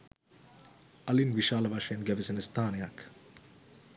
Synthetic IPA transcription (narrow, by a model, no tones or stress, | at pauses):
ɐlinʋiʃaːlɐʋɐʂɐjɐnɡɛʋisenəst̪ʰaːnejɐk